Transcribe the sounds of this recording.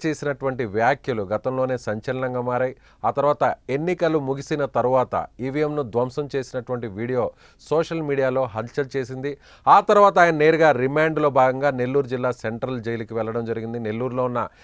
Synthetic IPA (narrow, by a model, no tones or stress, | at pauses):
t͡ʃe̞ːsinɐʈuʋɐɳʈiʋjaːkjɐluɡɐt̪ɐmlo̞ːne̞ːsɐɲt͡ʃɐlɐnɐŋɡaːmaːɾaːji | aːt̪ɐɾuʋaːt̪ɐenːikɐlumuɡisinɐt̪ɐɾuʋaːt̪ɐ̰iːʋijemnud̪ʋɐmsɐmt͡ʃe̞ːsinɐʈuʋɐɳʈiʋiːɽijo̞ː | sɔːʂɐlmiːɽijaːlo̞ːɦɐnt͡ʃɐlt͡ʃe̞ːsind̪i | aːt̪ɐɾuʋaːt̪̬aːjɐnɐne̞ːɾuɡaːɾimaːɳɖlo̞ːbʱaːɡɐŋɡaːne̞lːuːɾud͡ʒilːaːseɳʈɾɐld͡ʒejlɐkiʋɛɭːɐɽɐmd͡ʒɐɾiɡind̪ine̞lːuːɾlo̞ːunːɐ